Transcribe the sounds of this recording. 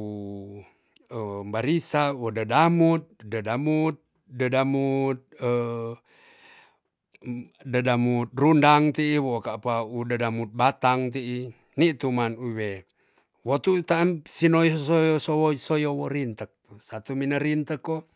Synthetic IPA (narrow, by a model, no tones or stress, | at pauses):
u | əmbaɾisawodədamut̪̚dədamut̪̚ | dədamut̪̚ə | dədamut̪̚rundaŋt̪iːwokapaudədamut̪̚bat̪aŋt̪̬iʔi | nit̪umanuwe | wot̪ut̪amsinojsojosowosojowoɾint̪ək̚t̪usat̪uminəɾint̪əkːo